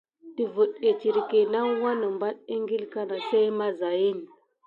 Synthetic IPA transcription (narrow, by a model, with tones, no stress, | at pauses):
ti˨vu˨ɗe˨t͡ʃi˨ɾi˨ki˨na˦wa˦nə˨mba˦ɗ̚i˦ŋɡi˦lka˦na˨sa˦i˦ma˦za˨ji˦n